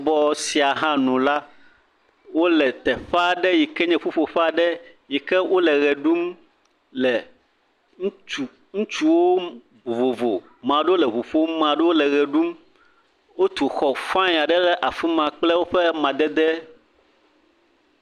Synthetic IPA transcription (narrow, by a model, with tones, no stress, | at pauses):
bɔ˦si˨a˨ɦã˦nũ˨la˦ | wo˦lɛ˨t̪ɛ˨ɸa˦ɖɛ˦ji˨kɛ˦ɲɛ̃˦fo˦ɸo˨ɸa˦ɖɛ˦ | ji˨kɛ˦wʔo˦lɛ˨ɣɛ˨ɖu˦m | lɛ˨ | ŋ˦u˨ | ŋũ˦t͡ʃu˦wo˦ | o˨vo˨vo˨ | mã˨ɖɛ˦wo˦lɛ˨βo˨ɸo˦mã˨ɖɛ˦wo˦lɛ˨ɣɛ˨ɖu˦m | wo˦t̪u˨xɔ˨fã˦ɲ˨a˨ɖɛ˦lɛ˦ʔa˨fu˦mã˨k͡plɛ˦wo˦ɸɛ˦mã˨d̪ɛ˦d̪ɛ˦